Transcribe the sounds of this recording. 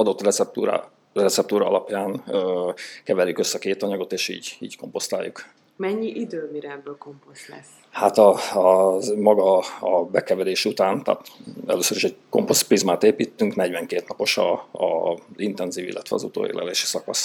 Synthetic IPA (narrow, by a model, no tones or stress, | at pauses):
ɒd̪o̞t̪ːrɛɛp̚t̪uɾa̰ː | rɛt̪sɛp̚t̪uːɾɒɒ̰lɒpjaːnøːkɛvɛɾjykø̞sːɛkeːt̪ɒɲɒɡo̞t̪eːʃḭːɟiːɟko̞mpo̞st̪a̰ːjːuk | mɛɲːiʔid̪øːmiɾɛɛbːøːlkompost̪lɛ̰s | hat̪ɒ | mɒɡɒːbɛkɛvɛleːʃut̪aːnt̪a̰ːt̪ɛ̰løːsøɾiʃɛɟko̞̰mpost̪prizmaːt̪eːpiːt̪ːyŋknɛɟvɛŋkeːt̪nɒpo̞ʃɒɒzint̪ɛnziːvilːʔɛt̪ʋɛɒ̰zṵt̪o̰ːḛːlɛ̰lḛːʃi̥sɒkɒs